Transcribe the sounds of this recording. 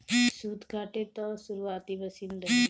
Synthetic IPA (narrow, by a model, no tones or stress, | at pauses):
suːd̪ɡʱaːʈet̪ɔ̃suɾuaːt̪ibəsiːnɾək